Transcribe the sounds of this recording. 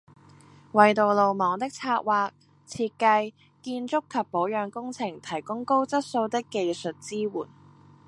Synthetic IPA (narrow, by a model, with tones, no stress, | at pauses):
wɐ˨jt̪o˨wlo˨wmɔː˨˥ŋt̪ɪ˥k̚t͡sʰaː˧t̚waː˧k̚ | t͡sʰiː˧t̚kɐ˧j | kiː˧nt͡sʊ˥kʰːɐ˨pːo˨˥wjœː˨˧ŋkʊ˥ŋt͡sʰɪ˨˩ŋt̪ʰɐ˨˩jkʊ˥ŋko˥wt͡sɐ˥t̚so˧wt̪ɪ˥kːe˨jsɵ˨t̚t͡siː˥wṵː˨˩n